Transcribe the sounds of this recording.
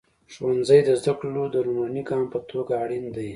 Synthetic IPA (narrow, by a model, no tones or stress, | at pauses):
ʃwanzəjd̪əzd̪aklod̪əɾumaniɡɑmpət̪ʰoɡaːɽind̪aj